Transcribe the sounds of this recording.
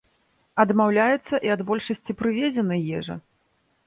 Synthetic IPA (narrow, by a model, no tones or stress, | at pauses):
ɐd̪mawlʲajut̪sːɐʔiɐd̪bɔlʲʂɐsʲt͡sʲipɾɨvʲɛd͡zʲɛnɨjɛʐɐ̰